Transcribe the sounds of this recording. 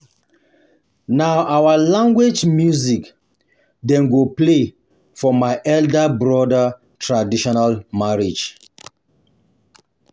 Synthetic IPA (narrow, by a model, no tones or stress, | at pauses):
naʊʔawalãŋɡwed͡ʒmjuzik | dɛ̃nɡople | fɔmaɪʔɛldabɹɔda | tʰɹadiʃɔnalmaɹid͡ʒ